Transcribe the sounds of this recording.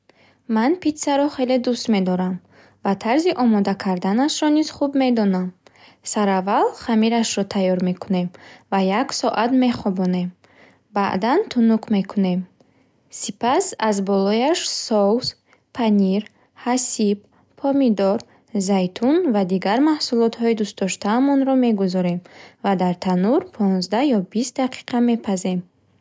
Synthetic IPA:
manpit̪saɾɔχe̞led̪ust̪me̞d̪ɔɾam | vat̪ʰaɾziʔɔmɔd̪akʰaɾd̪anaʃɾɔniz̥χubme̞d̪ɔnam | saɾavalχamiɾaʃɾɔt̪ʰajɔɾme̞kʰune̞mvajaksɔʔat̪me̞χɔbɔne̞m | ba̰ʔd̪ant̪ʰunukʰme̞kʰune̞m | sipasazbɔlɔjaʃsɔws | pʰaniɾ | hasib | pʰɔmid̪ɔɾ | zajt̪ʰunvad̪iɡaɾmahsulɔt̪hɔid̪ust̪d̪ɔʃt̪aːmɔnɾɔme̞ɡuzɔɾe̞mvad̪aɾt̪ʰanuɾpʰɔnzd̪ajɔbist̪d̪aqʰi̥qʰame̞pʰaze̞m

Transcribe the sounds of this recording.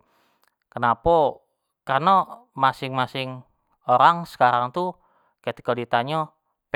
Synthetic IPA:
kənapɔ | karnɔmasɪŋmasɪŋ | oɾaŋsə̥kaɾaŋt̪u | kɛt̪i̥kodit̪aɲɔ | p

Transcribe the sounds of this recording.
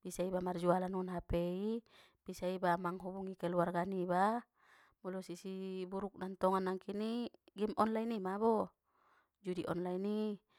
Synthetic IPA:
b̥isaibamard͡ʒualanunɦapɛi | b̥isaibamaŋɦubuŋikɛluarɡaniba | mulɔsisibuɾuk̚nant̪ɔŋanːaŋkiniɡɛmʔɔnlainimabɔ | d͡ʒudiʔɔ̰nlaini

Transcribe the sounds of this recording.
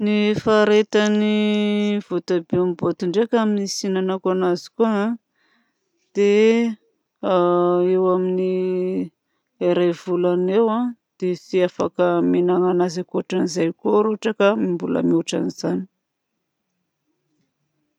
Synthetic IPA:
nifaɾet̪ani | v̥ut̪abeamibot̪uɳɖ͡ʐekaminisinanakuanazi̥kuəã | d̪̥e | ewamini | eɾajvulanewãd̪̥esiafakəmenaŋanazakuʈ͡ʂanizajkoɾoʈ͡ʂakəmimbulə̰muʈ͡ʂa̰niz̥ani̥

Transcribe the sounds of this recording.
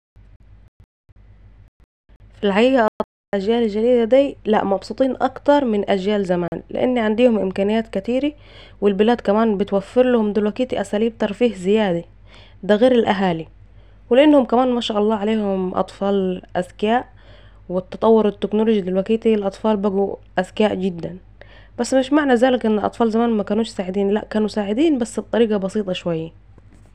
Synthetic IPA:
filʕaʔiːjaʔɑtɑt̪ˤiːlʔad͡ʒjaːlɪlʒad̪iːd̪ad̪iːla̰ʔmɑbsˤuːt̪ˤiːnʔɑkt̪ɑɾˤmɪnʔad͡ʒjaːlzamaːnlɪ̰ʔa̰nːiʕand̪iːhʊmʔɪmkaːnɪjaːt̪kat̪iːɾi | wɪlbɪlaːd̪kæmaːnbɪt̪wafːɪɾlahʊmd̪ɪlwakiːt̪iʔasaːliːb̚t̪ɑɾˤfiːhzɪjaːd̪a | d̪aɣeːɾɪlʔaɦaːli | wɪlɪʔɪnːhʊmkæmaːnmaːʃaːʔɑlˤːɑːʕaleːhʊmʔɑ̰t̪ˤfɑːlʔæzkaːʔ | wɪt̪ːɑt̪ˤɑwːʊɾɪt̪ːɪknoloːd͡ʒid̪ɪlwækiːt̪ilʔɑt̪ˤfɑːlbæɡuʔæzkaːʔɡɪd̪ːæn | bæsːmɪʃmaʕnæzaːlɪkʔɪnːɪlʔɑ̰t̪ˤfɑːlzamaːnmækaːnuːʃsaːʕɪd̪iːnlæʔkaːnusaːʕɪd̪iːnbæsːbet̪ˤɑɾiːɡɑbɑsiːt̪ˤɑʃwajːæ

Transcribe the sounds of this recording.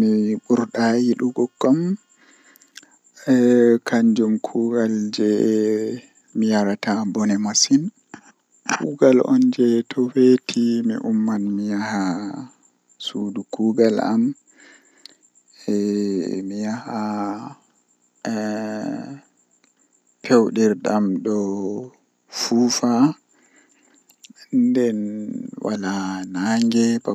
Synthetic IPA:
miɓuɾɗajiɗuɡɔɡːɔm | kaɲd͡ʒumkʰuɡald͡ʒɛ | mijaɾatabɔnɛmasin | kʰuɡalʔɔ̰nd͡ʒɛtʰɔwetʰimḭʔumːanmijaha | sudukuːbɛla̰m | ɛmijaha | pʰɛwɗiɾɗamɗɔ | fufa | ndɛnwʔa̰lanaːŋɡɛba

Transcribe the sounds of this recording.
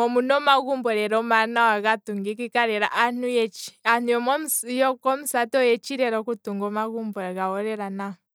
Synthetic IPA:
ɔmunomaɣumbɔɾɛɾomanawaɣatuŋɡikikaɾɛɾa̰ʔanujɛt͡ʃianujɔmojɔkɔmusatɔjɛt͡ʃiɾɛɾokutuŋɡomaɣuːmbɔɾaɣawoɾɛɾana

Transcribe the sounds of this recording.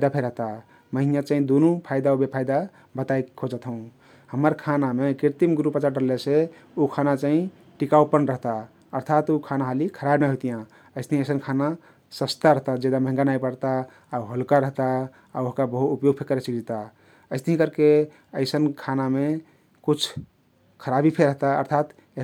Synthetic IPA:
ajd̪apʰeɾəɦt̪a | məɦinjat͡ʃaɦĩd̪unupʰajd̪aobepʰajd̪a | bət̪ajkkʰod͡ʒət̪ʰɦəũ | həməɾkʰanamekiɾt̪imɡɾupət͡ʃaɖəlːese | ukʰanat͡ʃaĩ | ʈikawpənɾəɦt̪a | əɾt̪ʰat̪ukʰanaɦalikʰəɾabnaɦot̪ijã | əɪst̪əɦĩəjsənkʰana | səst̪aɾəɦt̪ad͡ʒed̪aməɦŋɡanaipəɽt̪aː | uɦəlkaɾəɦt̪a | aoɦkabəɦuupjoɡ̚pʰekəɾet͡ʃəkd͡ʒet̪a | əɪst̪əɦĩkəɾke | əɪsənkʰaname | kut͡ʃʰ | kʰəɾabipʰeɾəɦt̪aə̰ɾt̪ʰat̪ | e

